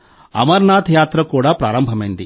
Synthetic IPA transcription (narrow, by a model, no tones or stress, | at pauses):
ɐ̰mɐɾnaːt̪ʰjaːt̪ɾɐkuːɽaːpɾaːɾɐmbʱɐmɐjnd̪ḭ